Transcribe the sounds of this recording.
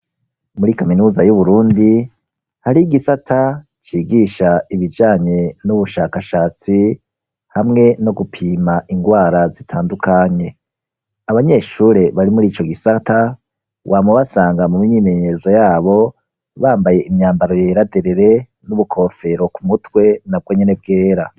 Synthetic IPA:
muɾikaminuːzajuβuɾuːndi | haɾiɡisatʰa | t͡ʃiːɡiʃaiβid͡ʒaːɲe̞nuβuʃaːkaʃaːt͡si | hamŋe̞no̞ɡupʰiːmaʔiŋɡwaːɾazitʰaːndukʰaɲe̞ | aβaɲe̞ʃuːɾe̞βaɾimuɾiːt͡ʃo̞ɡisata | wʔaːmuβasaːŋɡamumiɲiːme̞ɲezo̞jaːβo̞ | βaːmbaje̞ʔimɲaːmbaɾo̞jeːɾadeɾeɾe̞ | nuβukʰo̞fe̞ɾo̞kumutwe̞nab̚ɡwo̞ɲe̞ne̞bɡe̞ːɾa

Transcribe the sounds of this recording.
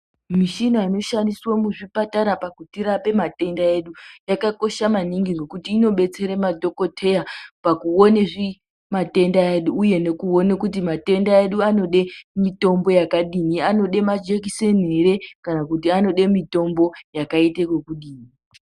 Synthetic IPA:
miʃinoino̞ʃandiswomuʐipataɾapakutiɾape̞mate̞ndae̞ɗujakako̞ʃamaniŋɡiŋɡe̞kutiːno̞ɓe̞t͡se̞ɾemadʱo̞ko̞tʰe̞japakuoneʐi | mate̞ndaeɗuːje̞ne̞kuo̞nekutimate̞ndaeɗuano̞ɗe̞mito̞mbo̞jakaɗiniano̞ɗe̞mad͡ʒekiseneɾe̞kanakutiano̞ɗe̞mito̞mbo̞jakaitekwekuɗiːni

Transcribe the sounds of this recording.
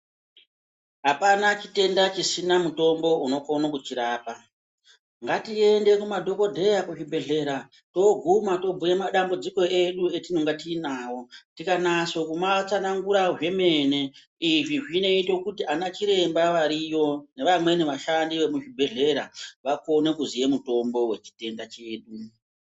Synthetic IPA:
ɦapanat͡ʃite̞ndat͡ʃisinamuto̞mbo̞uno̞konokut͡ʃiɾaːpa | ŋɡatie̞nde̞kumadʱo̞ko̞dʱe̞jakuʐibʱe̞ɮe̞ɾa | to̞ɡʱumato̞b͡vujemaɗambud͡ziko̞e̞ɗue̞tino̞ŋɡatiːnawo̞tikanaso̞kumat͡sanaŋɡuɾaʐe̞me̞ne̞ | iʐiʐine̞ito̞kutianat͡ʃiɾe̞mbaʋaɾijo̞ne̞ʋamwe̞ne̞ʋaʃandiʋe̞muʐibʱe̞ɮe̞ɾa̰ʋako̞ne̞kuzije̞muto̞mbo̞we̞̰t͡ʃi̥te̞ndat͡ʃe̞ːɗu

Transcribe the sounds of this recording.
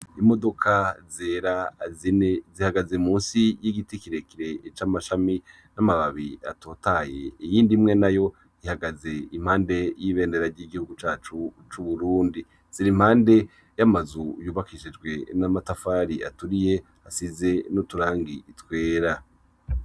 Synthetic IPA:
imo̞do̞kʰazeːɾazinezihaɡazemuːnsijiɡitikiɾekiɾe̞t͡ʃamaʃami | namaβaβia̰tʰo̞ːtaje̞ijiːndimŋe̞najo̞ | ihaɡaze̞imhaːnde̞jiβe̞ːndeɾaɾɟiɡihuɡut͡ʃaːt͡ʃut͡ʃuβuɾuːndi | z̥iɾimhaːnde̞ | jamazujuːβakʰiʃid͡ʒɡwe̞namatafaːɾia̰tuɾije̞ | asize̞nutuɾaːŋɡiitwe̞ːɾa

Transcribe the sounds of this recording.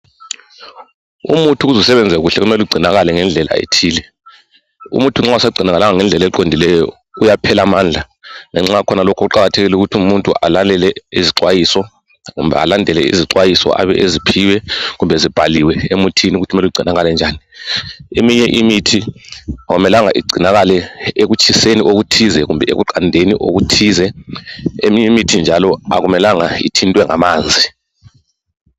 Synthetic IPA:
ṵmutʰuuzusɛβɛnd͡zʱɛɣuɬɛɣumɛluɡ͡ǀʱinaɣalɛŋɛnd͡ɮʱɛla̰ḛtʰiːlɛ | ṵmutʰuŋ͡ǁausaɡ͡ǀʱinaɣalaŋaŋɛnd͡ɮʱɛlɛǃondʱilɛjɔ̰ | ujapʰɛlamaːnd͡ɮʱa | ŋɛŋ͡ǁakʰɔnalokʰɔɣuǃaɣatʰeɣiluɣutʰiumuntʼua̰lalɛlɛiziǀwajisɔ | ɣṵmbʱɛ̰a̰landʱɛlɛ̰ḭziǀwajisɔ̰ʔa̰βɛ̰ʔezipʰiwɛɣumbʱɛzib̥ʱaliwɛemutʰiniuɣutʰumɛluɡ͡ǀʱinaɣalɛnd͡ʒʱaːni | emiɲɛʔimitʰiaɣumɛlaŋaʔḭɡ͡ǀʱinaɣalɛeɣut͡ʃʼʰiseniʔoɣutʰizɛɣumbʱɛḛɣuǃʰandʱenḭʔo̰ɣutʰiːzɛ | emiɲɛmitʰind͡ʒʱalɔa̰ɣumɛlaŋaḭtʰintʼwɛŋa̰maːnd͡zʱi

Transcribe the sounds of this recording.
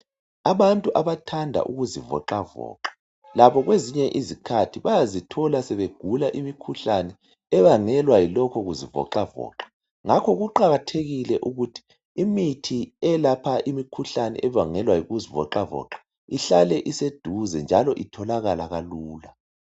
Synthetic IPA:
aβantʼuʔaβatʰandʱa̰ʔuɣuzivɔ̰ǃavɔ̰ːǃḁ | laβɔɣweziɲɛʔizikʰatʰiβajazitʰɔlasɛβeɡ̥ʱulaʔimikʰuɬanɛ | ɛβaŋɛlwajilɔkʰɔɣuzivɔ̰ǃavɔ̰ːǃḁ | ŋakʰɔɣuǃaɣatʰeɣilɛʔuɣutʰi̥ː | mitʰiɛlapʰaʔimikʰuɬanɛ̰ʔɛβaŋɛlwajiɣuzivɔ̰ǃavɔ̰ːǃḁ | iɬalɛʔised̥ʱuzɛnd͡ʒʱalɔʔitʰɔlaɣalaɣaluːla

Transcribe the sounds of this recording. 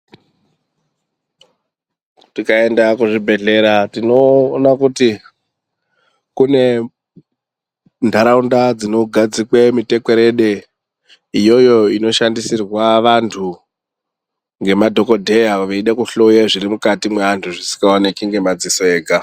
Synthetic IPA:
tikae̞ndakuʐibʱe̞ɮe̞ɾatino̞ːnakuti | kune̞ | ndʱaɾaundad͡zino̞ɡʱad͡zikwemite̞ke̞ɾe̞ɗe | ijo̞jo̞ino̞ʃandisirwaʋantʰu | ŋɡe̞madʱo̞ko̞dʱe̞jaʋeiɗekuɬojeʐirimukatimweantʰuʐisi̥ŋɡaonekiŋɡe̞mad͡zisoeːɡʱa

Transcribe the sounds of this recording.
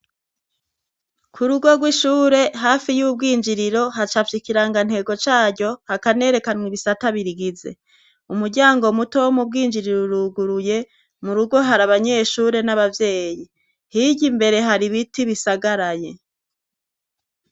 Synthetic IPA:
kʰuɾuɡo̞ɡwiʃuːɾe̞ɦaːfijuːb̚ɡiːɲd͡ʒiɾiɾo̞ɦat͡ʃafikiɾaŋɡan̥he̞ːɡo̞t͡ʃaːɾɟo̞hakane̞ːɾe̞kanwiβisataβiɾiɡize̞̰ | umuɾɟaːŋɡo̞mutowomub̚ɡiːɲd͡ʒiɾiɾoɾuɡuɾuje̞ | muɾuɡo̞ɦaɾaβaɲe̞ʃuːɾe̞naβavje̞ːji | hiɟimbe̞ɾe̞ɦaɾiβitiβisaɡaɾaje̞

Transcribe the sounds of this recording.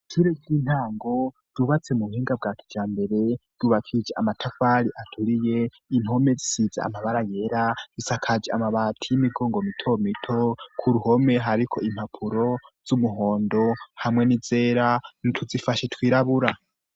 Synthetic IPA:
tʰiɾeɡiːn̥haːŋɡo̞ | d̥uβat͡se̞muβuhiːŋɡab̚ɡaːkʰi̥d͡ʒaːmbe̞ɾe̞d̥uβakʰid͡ʒeamatʰafaːɾiʔatʰuɾije̞ | imo̞me̞d͡zisiza̰a̰maβaɾajeɾad͡zisakʰad͡ʒeamaβaːtʰijimiɡo̞ːŋɡomitʰo̞mitʰo̞kʰuɾuho̞me̞ɦaɾikʰo̞ʔim̥hapʰuɾo̞z̥umuɦoːndo̞hamŋe̞nize̞ːɾanitʰuzifaʃetʰwiːɾaβuɾa

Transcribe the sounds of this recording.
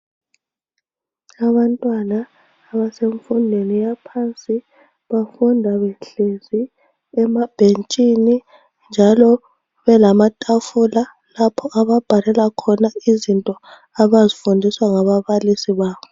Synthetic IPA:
aβantʼwanaː | βaseɱfundʱenijapʰaːnt͡sʼi | βafundʱaβenɬezi | ɛmab̥ʱent͡ʃʼini | nd͡ʒʱalɔ | βɛlamatʼafula | lapʰɔʔaβab̥ʱalɛlakʰɔnaizintʼɔ | aβazifundʱiswaŋaβaβalisiβaːβɔ

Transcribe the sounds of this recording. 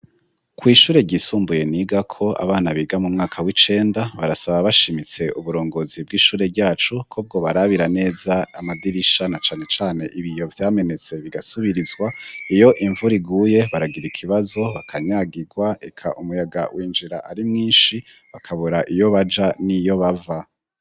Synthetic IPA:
kwiːʃuːɾe̞ɟiːsuːmbuje̞niːɡakʰo̞a̰βaːnaβiɡamumŋaːkʰawit͡ʃe̞ːndaβaɾasaβaβaʃimit͡se̞ʔuβuɾo̞ːŋɡo̞zib̚ɡiːʃuːɾe̞ɟaːt͡ʃukʰob̚ɡo̞βaɾaβiɾane̞ːzaamadiɾiʃanat͡ʃaːne̞t͡ʃaːne̞ʔiβijo̞vjaːme̞ne̞t͡se̞βiɡasuβiɾizɡwaijo̞ʔiɱvuɾiɡuːje̞βaɾaɡiɾikʰiβazo̞βakʰaɲaːɡiɡwaekʰa̰ʔumujaɡa̰wʔiːnd͡ʒiɾa̰ʔaɾimŋiːnʃi | βakʰaβuɾaʔijo̞βad͡ʒanijo̞βava

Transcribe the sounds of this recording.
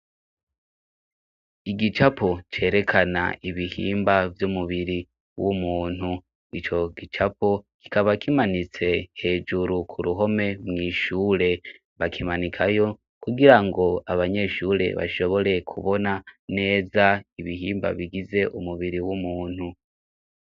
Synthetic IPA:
iɡit͡ʃapʰo̞t͡ʃe̞ːɾe̞kʰana̰iβihḭːmbavjumuβiɾi | wumuːn̥u | it͡ʃo̞ɡit͡ʃapo̞ki̥kaβakimanit͡se̞he̞ːd͡ʒuɾukʰuɾuɦo̞me̞mŋiːʃuːɾe̞ | βakʰimanikʰajo | kuɡiɾaŋɡo̞aβaɲe̞ʃuːɾe̞̰βa̰ʃo̞βo̞ɾe̞kʰuβo̞nane̞ːzaiβiɦiːmba̰βiɡize̞ʔumuβiɾiwumuːn̥hu

